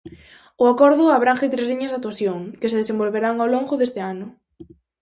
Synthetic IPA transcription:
ʊakɔɾðʊaβ̞ɾaŋxet̪ɾezliɲɐzðat̪uaθjoŋkɪseðesembolβeɾaŋawloŋɡʊðest̪ɪanʊ

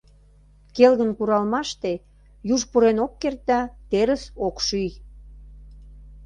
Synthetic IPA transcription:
kelɣənkuɾɑlmɑʃt̪e | juʒpuɾenokːert̪ɑt̪eɾəsokʃyj

